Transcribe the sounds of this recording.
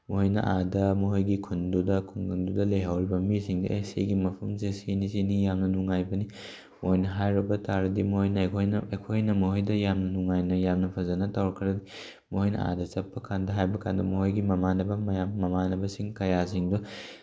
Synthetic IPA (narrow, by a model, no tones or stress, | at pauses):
mohojnɐ̰ʔadɐmuɦojɡikʰundudɐkʰuŋɡɐndudɐleɦawɾibɐmisiŋdṵesḛɡimɐpʰɐmzesenizinijamnɐnuŋajbɐni | moojnɐɦajɾɐbɐtʰaɾɐdimohojnɐkʰojnekʰojnɐmoɦojdɐjamnɐnuŋajnɐjamnɐpʰɐzɐnɐtawɾɐkʰɐɾɐdi | mohojnɐ̰a̰dɐt͡ʃɐpːɐkʰandɐɦajbɐkʰandɐmoɦojɡimɐmanɐbɐmamɐmanɐbɐsiŋkɐjas̬iŋdu